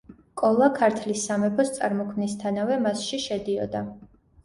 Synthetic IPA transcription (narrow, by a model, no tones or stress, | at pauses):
kʼɔlˠakʰaɾt̪ʰlisːamɛpʰɔst̪sʼaɾmɔkʰmnist̪ʰanavɛmasʃiʃɛd̪iɔ̰d̪a